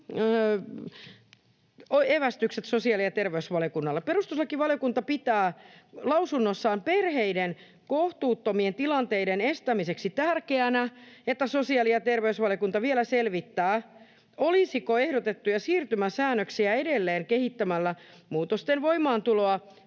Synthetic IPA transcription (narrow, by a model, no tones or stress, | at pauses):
oeʋæst̪ykset̪sosiɑliɑt̪erʋeysʋɑljokunːɑlːepeɾust̪uslɑkiʋɑlijokunt̪ɑpit̪æːlɑusunːosːɑːmperheiden | koht̪uːt̪ːomient̪ilɑnt̪eidenest̪æmiseksit̪ærkeænæet̪ːæsosiɑliɑt̪erʋeysʋɑljokunt̪ɑʋielæselʋit̪ːæː | olisikoehdot̪et̪ːujɑsiːrt̪ymæsæːnːøksiæedelːeːŋkehit̪ːæmælːæmuːt̪ost̪enʋoimɑːnt̪uloɑ